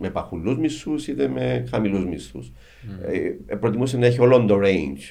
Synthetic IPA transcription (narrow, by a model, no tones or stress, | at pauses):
mepɐxulːuzmisusiðeme̞xɐmiluzmisṵs | pɾot̪imusenɐe̞çio̞lond̪oɾend͡ʒ